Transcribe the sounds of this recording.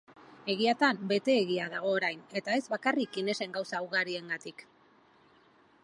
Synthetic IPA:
e̞ɣ̞iat̪ambe̞t̪e̞ːɣiaðaɣ̞o̞ːɾajne̞t̪ae̞zβakarikine̞se̞ŋɡawsauɣaɾie̞ŋɡat̪ik

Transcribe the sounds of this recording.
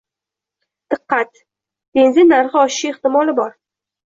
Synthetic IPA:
d̪̥ɨqːat̪ | b̥e̞nzɪnːaɾʁɨɒʃɪ̥ʃɪeχt̪ɪmɒlɪbɒɾ

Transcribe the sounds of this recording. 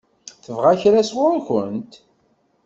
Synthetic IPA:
θəvʁaçɾæswʊɾçənt̪

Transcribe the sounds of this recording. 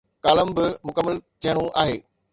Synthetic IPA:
kaːləmbɪmʊkəmːəlt̪ʰiɦəɽ̃ũʔa̰ːɦeː

